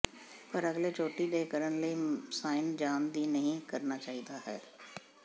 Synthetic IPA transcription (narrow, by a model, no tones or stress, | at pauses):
pəɾəɡleːt͡ʃoːʈiːɖeːkəɾənləiːsaːɪnd͡ʒaːnd̪iːnəɦĩːkəɾnaːt͡ʃaːɦiːd̪aːɦɛː